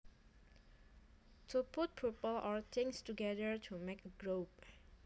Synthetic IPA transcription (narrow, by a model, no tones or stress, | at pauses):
tʰuput̚pʰipəlʔɔɹt̪ʰɪ̃ŋstuɡɛdəɹtʰumekəɡɹop